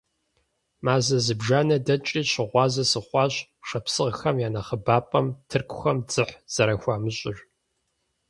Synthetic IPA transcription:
maːzɐzɨbʒaːnɐdɐt͡ʃʼiːɕɪʁʷɑːzɐsɨχʷɑːɕ | ʂɐpsɨʁxɐmjaːnɐχəbaːpʼɐmtʰɨrkʷʰʼʊxɐmd͡zɨħz̥ɐɾɐxʷaːmɨɕʼɪʒʷ

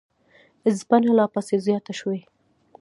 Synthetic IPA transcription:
zbanalɑpasezjɑt̪aʃwe

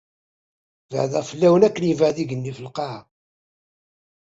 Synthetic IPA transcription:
və̰ʕðæʁfəlːæwənækːənjəvəʕðiʝənːifəlqɑʕ

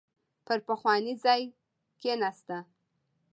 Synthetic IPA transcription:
pəɾpəxwɑnizɑj | kenast̪a

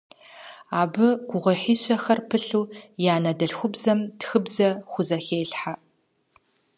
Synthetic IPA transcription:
aːbɨɡʷʊʁʷɐħiːɕʷɐxɐrpʰɨɬuːjaːnɐdɐɬxʷʊbzɐmtxɨbzɐxʷʊzɐxeːɬħa

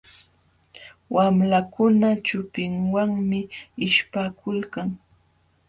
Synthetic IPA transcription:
wamlakʊnat͡ʃʊpɪŋwaŋmɪɪʃpakʊlkaŋ

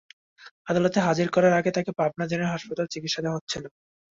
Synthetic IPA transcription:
ad̪alot̪eɦad͡ʑiɾkɔɾaɾaɡet̪akepab̚nad͡ʑeneɦaʃpat̪alt͡ɕiɡit̪ʃad̪aɦotːɕʰena

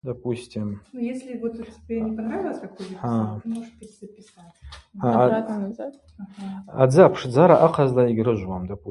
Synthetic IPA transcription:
d̪apʼusʲtʲʰimnujesʲlʲɪvot̪tʲɪbʲenʲɪpanɾavʲɪlˠɐsʲkɐkojvʲiammoʐɨt̪bʲitʲzɐpʲɪsat͡sʲaaanazat̪ | a̰d͡zɨapʰʂd͡zaɾaʔaqʰazlaiɡʲɾɨʒʷwamd̪apu

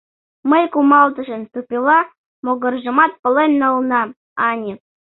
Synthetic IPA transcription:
məjkumɑld̪ɤ̆ʒə̆nt̪upʲilˠɑ | moɡɤ̆rʒə̆mɑt̪̚pɤ̆lenʲːɤ̆lˠnɑ | ɑnʲi

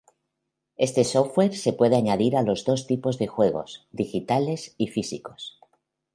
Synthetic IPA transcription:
e̞st̪e̞sowe̞ɾsepwe̞ð̞e̞aɲað̞iɾalo̞zðo̞st̪ipo̞zðe̞xwe̞ɣ̞o̞̰sd̪ixit̪ale̞sifisiko̞̥s

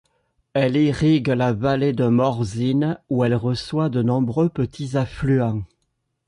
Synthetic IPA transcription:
ɛliʁiɡlavaled̪əmɔʁzinuɛlʁəswad̪ənɔ̃bʁøpət̪ʰizaflyɑ̃

